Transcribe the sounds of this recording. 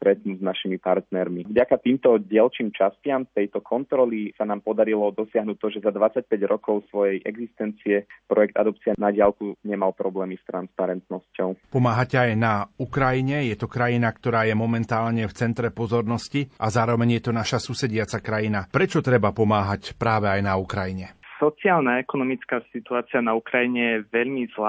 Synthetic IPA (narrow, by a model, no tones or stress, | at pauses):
t̪ɾɛt̪nuznaʃimipaɾt̪nɛɾmivɟakat̪iːmt̪ɔɟɪɛlt͡ʃiːmt͡ʃascɪamt̪ɛjt̪ɔkʰɔnt̪ɾɔlisanaːmpɔd̪aɾilɔd̪ɔsɪaɦnuːt̚t̪ːɔʒɛzad̪ʋat͡sːac̚pɛɟɾɔkɔʊsʋɔjɛjʔɛɡzist̪ɛnt͡siɛpɾɔjɛk̚t̪a̰d̪ɔpt͡sianaɟɪalkuɲɛmalpɾɔblɛːmist̪ɾanspaɾɛnt̪nɔscɔʊpɔmaːɦacɛajnaukɾajiɲɛjɛt̪ɔkɾajinakt̪ɔɾaːjɛmɔmɛnt̪aːlɲɛft͡sɛnt̪ɾɛpɔzɔɾnɔsciʔazaːɾɔʋɛɲjɛt̪ɔnaʃasusɛɟɪat͡sakɾajinapɾɛt͡ʃɔt̪ɾɛbapɔmaːɦacpɾaːʋɛajnaukɾajiɲɛsɔt͡siɪaːlnaɛkɔnɔmit͡skaːsit̪uaːt͡sianaukɾajiɲɛjɛʋɛʎmizla